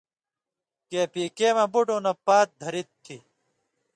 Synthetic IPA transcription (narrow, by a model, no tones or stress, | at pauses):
keːpiːkeːmɐbuɖõːnɐpaːt̪̚d̪ʱɐɾit̪ʰːi